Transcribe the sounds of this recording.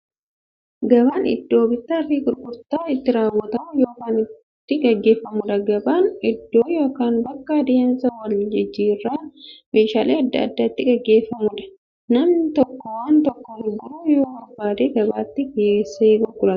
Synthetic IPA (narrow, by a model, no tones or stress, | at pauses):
ɡɐbaːnɪ̰d̪ːo̞ːbɪt̪ːɪɐrːiːkʼʊɾkʼʊɾt̪aːɪt̪ːɪɾaːwːɔt̪ɐmɐjo̞ːkaːnɪ | t̪ːɪɡɐɡːe̞ːfːɐmʊᶑɐɡɐbaːnɪd̪ːo̞ːjoːkaːnbɐkːɐd̪ɪjɐnsɐwɐld͡ʒɪd͡ʒːiːrːaːmeːʃaːleːɐd̪ːɐɐ̰d̪ːɐt̪ːɪɡɐɡːe̞ːfːɐmʊᶑɐ̥ | nɐmnt̪ɔkːɔwaːnt̪ɔkːɔhɪd̪uːjoːɐbːaːd̪eːɡɐbaːt̪ːɪkeːseːɡɔɡʊlɐ